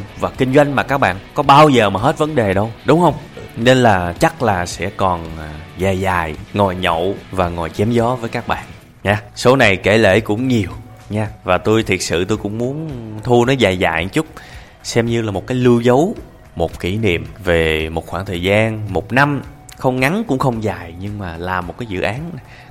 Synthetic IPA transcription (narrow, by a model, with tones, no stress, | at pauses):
vaː˨˩kï˧ŋ̟zwa˧jŋ̟maː˨˩kaː˦˥k̚ɓa̰ː˧˨nkɔ˨˦ɓaː˧wzəː˨˩maː˨˩ɦe˦˥t̚və˨˦nɗe˨˩ɗə˧wɗʊ˨˦ŋ͡mhə˧wŋ͡mne˧nlaː˨˩t͡ɕa˦˥k̚laː˨˩sɛ̰˧˥kɔ˨˩nzaː˨˩jzaː˨˩jŋɔ˨˩jɲo̰˧˨vaː˨˩ŋɔ˨˩jt͡ɕɛ˨˦mzɔ˨˦vəː˨˦jkaː˦˥k̚ɓa̰ː˧˨n | ɲaː˧so˨˦na˨˩jke˧˩lḛ˧˩kʊ̰˧˥ŋ͡mɲi˨˩əw | ɲaː˧vaː˨˩t̪o˧jt̪ʰi˨˩ət̚sɨ̰˧˨t̪o˧jkʊ̰˧˥ŋ͡mmu˨˦ənt̪ʰu˧nɔ˨˦jzaː˨˩jza̰ː˧˨jt͡ɕʊ˦˥k͡p̚ | sɛ˧mɲɨ˧laː˨˩mo˨t̚kaː˨˦jlɨ˧wzə˨˦w | mo˨˩t̚ki˧˩nḭ˧˨əmve˨˩mo˨˩t̚xwaː˧˩ŋt̪ʰəː˨˩jzaː˧nmo˨˩t̚na˧m | xə˧wŋ͡mŋa˨˦nkʊ̰˧˥ŋ͡mxə˧wŋ͡mzaː˨˩jɲɨ˧ŋmaː˨˩laː˨˩mo˨˩t̚kaː˨˦zɨ̰˧˨ʔaː˨˦n